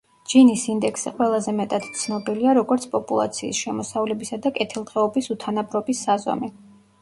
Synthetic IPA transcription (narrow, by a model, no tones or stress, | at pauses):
d͡ʒinisind̪ɛksɛqʼwɛlˠazɛmɛt̪ʼad̪̥t̪sʰnɔbiliaɾɔɡɔɾt̪sʰpʼɔpʼulˠa̰t̪sʰḭːsʃɛmɔsavlɛbisad̪akʼɛt̪ʰilˠt̪ʁɛɔbisut̪ʰanabɾɔbisːaza̰mɛ